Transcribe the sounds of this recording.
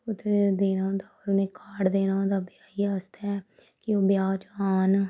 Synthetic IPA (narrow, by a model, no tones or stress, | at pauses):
ʊt̪ed̪eːnaːõːd̪aːɔɾʊnẽːkaːɽd̪eːnaːõːd̪aːbɪjaːiast̪ɛː | kɪoːbjaːt͡ʃaːn